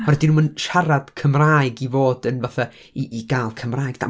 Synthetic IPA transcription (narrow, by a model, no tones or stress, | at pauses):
ɔrɛdinumənʃaɾad̥kʰəmraːjɡivoːdənvaθa | iʔːɡaːlˠkʰəmraːjɡd̥a̰